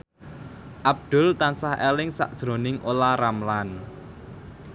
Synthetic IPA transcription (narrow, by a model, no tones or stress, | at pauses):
ʔab̚d̪̥ʊ̤lt̪ansahelɪŋsa̰ʔd̥ʒ̥ɾo̤nɪŋʔolaɾamlan